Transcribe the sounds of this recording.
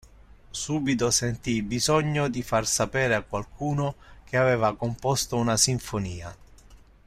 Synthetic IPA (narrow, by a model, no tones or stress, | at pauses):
suːbit̪osent̪ibizɔɲːod̪ifarsapɛːɾeakːwalkʰuːnok̟eavɛːvakompɔst̪ounasiɱfoniːa̰